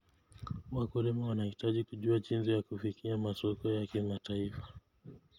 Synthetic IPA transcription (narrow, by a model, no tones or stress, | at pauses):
wakuɾimawanahitaʄikuʄuat͡ʃinzijakufikʰiamasɔkɔjakimatʰaifḁ